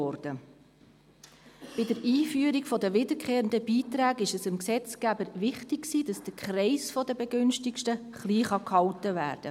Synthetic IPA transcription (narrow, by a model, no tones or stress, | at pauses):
ɔɾd̥ə | b̥ɪdəɾiːfyəɾiɡfɔdəʋɪdəɾkχeːɾəndəbiːt̪ɾæːɡɪʃəsɪmksɛt͡sɡ̥æbəɾʋɪχtɪkksiːd̥ɑsd̥əkχɾɛɪsfɔdəbɛɡʏnʃtikʃtə | χliːχɑkhɑltəʋæ̰ːɾd̥ə